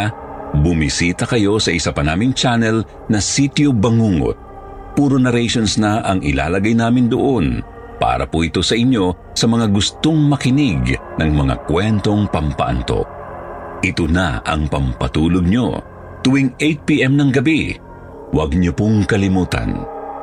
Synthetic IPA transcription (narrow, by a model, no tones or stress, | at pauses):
bʊmisiːt̪ɐkɐjo̞sɐʔɪsapɐnaːmɪŋt͡ʃanɛl | nɐsit̪jobɐŋuːŋo̰t̪̚ | puːɾonɐɾɛjʃonsnɐʔɐŋɪla̰ːlɐɡajnaːmɪnd̪oʔo̞n | pa̰ːɾɐ̰poʔɪt̪o̞sɐʔɪɲjo̞ | sɐmɐŋaɡʊst̪oŋmɐkɪnɪɡnɐŋmɐŋa̰kwɛnt̪o̞ŋpɐmpɐ̰ʔɐ̰nt̪o̞̰ | ʔɪt̪ona̰ʔɐ̰ŋpɐmpɐt̪uːloɡ̚ɲo̞̰ | t̪ʊwiŋʔejt̪̚piʔɛmnɐŋɡɐbi | wɐɡ̚ɲopoŋkɐlɪmuːt̪ɐ̰n